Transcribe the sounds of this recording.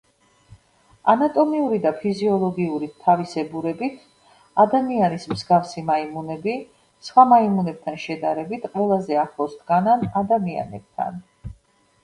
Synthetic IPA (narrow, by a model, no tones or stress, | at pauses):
anat̪ʼɔmiuɾid̪apʰiziɔlˠɔɡiuɾit̪ʰavisɛbuɾɛbit̪ʰ | ad̪amianismzɡafsimaimunɛbi | sχwamaimunɛb̚t̪ʰanʃɛd̪aɾɛbit̪ʰqʼwɛlˠazɛaχlˠɔsd̪ɡananad̪amia̰nɛ̰b̥̚t̪ʰa̰n